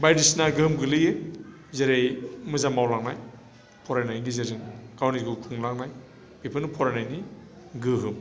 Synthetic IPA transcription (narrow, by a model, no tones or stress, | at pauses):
bajdisnaɡɯɯmɡɯlɯjɯ | zeɾejmɯzamawlaŋnaj | pʰɔɾajnajɡizezɯŋɡ̥awniɡukʰuŋlaŋnaj | bipʰɯnupʰɔɾanajni | ɡɯɦɯm